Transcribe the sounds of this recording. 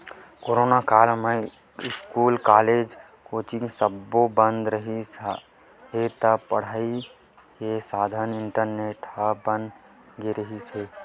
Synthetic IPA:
koːɾoːnakaːlme | ɪskuːlkaːled͡ʒ | koːt͡ʃĩŋsəbːobə̃nd̪ɾəɦis | ɦet̪əpəɽ̤aːi | kesaːd̪ʱənɪɳʈəɾneʈhabə̃nd̪ | ɡeɾəɦise

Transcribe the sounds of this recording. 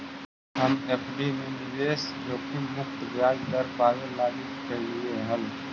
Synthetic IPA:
ɦəmepɖimenɪʋeːsjoːkimʊkt̪bjaːɡd̪əɾpaːwelaːɡikəlieɦə̃n

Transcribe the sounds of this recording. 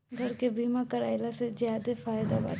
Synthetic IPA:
ɡʱɐɾkebiːmakɐɾaːɪlasezjaːd̪efaːjd̪aba̰ː

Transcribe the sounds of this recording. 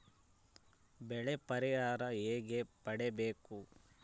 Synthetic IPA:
bɛɭepɐɾiɦaːɾɐeːɡe̞pɐɽebeːku

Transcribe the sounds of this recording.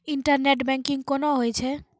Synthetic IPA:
iɳʈaɾneʈbɛŋkiŋkonoɦojt͡ɕʰe

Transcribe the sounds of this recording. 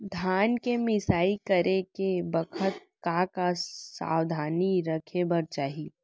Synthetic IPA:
d̪ʱaːnkemɪsaːikəɾekebəkʰət̪̚kakasa̰ːwd̪ʱaːniɾəkʰebɐɾt͡ʃaːɦi

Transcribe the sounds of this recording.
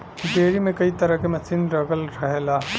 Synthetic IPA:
ɖeːɾimẽkɐit̪ɐɾəɦkemɐsiːnɾɐɡəlɾɐɦelaː

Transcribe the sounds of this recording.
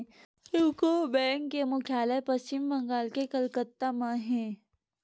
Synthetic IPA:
ukobɛ̃ːŋkːemʊkʰjaːlepɐsɪmbɐ̃ŋɡaːlkekəlkət̪ːamãɦɛ̃ː

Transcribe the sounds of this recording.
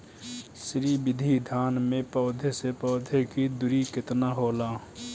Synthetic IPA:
sɾibɪd̪ʱid̪ʱaːnmẽpɔːd̪ʱesepɔːd̪ʱekid̪ʊɾikɪt̪naɦoːlaː

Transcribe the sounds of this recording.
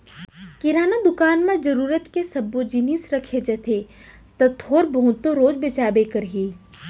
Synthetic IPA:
kɪɾaːnad̪ʊkaːnmẽd͡ʒɐɾuːɾət̪kesɐbːod͡ʒinisɾɐkʰed͡ʒɐt̪ʰe | t̪ɐt̪ʰoːɾbɐɦʊ̃t̪ːoɾoːd͡ʒbɪt͡ʃaːbekɐɾɦiː

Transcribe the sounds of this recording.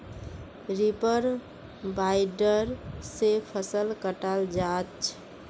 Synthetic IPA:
ɾipəɾ | bajɖəɾsepʰəsəlkəʈald͡ʒat͡ʃʰ

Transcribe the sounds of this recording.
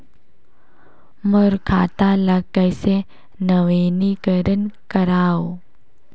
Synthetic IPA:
məɾkʰat̪alakəjse | nəwenikəɾənkəɾaw

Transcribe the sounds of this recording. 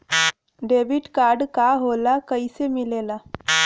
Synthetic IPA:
ɖeʋiʈkaɾɖkaɦolakəjsemilela

